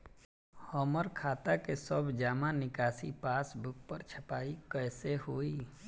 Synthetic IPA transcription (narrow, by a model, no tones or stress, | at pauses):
hɔːməɾkʰaːt̪akesəbd͡ʒaːmãnɪkaːsipaːsbʊk̚pəɾt͡ʃʰəpaːikɛːsehoːiː